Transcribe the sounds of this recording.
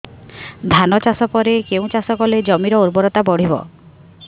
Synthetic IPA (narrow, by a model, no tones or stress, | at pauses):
d̪ʱanɔt͡ʃasɔpɔɾekeũt͡ʃasɔkɔled͡ʒɔmiɾɔuɾbɔɾɔt̪abɔɽ̤ibɔ̰